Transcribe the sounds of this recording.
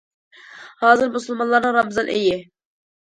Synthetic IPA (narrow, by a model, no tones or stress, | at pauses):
hɑːzɨɾmusulˠmɑnlˠɑɾnɨŋɾɑmɨzɑnʔḛjɪ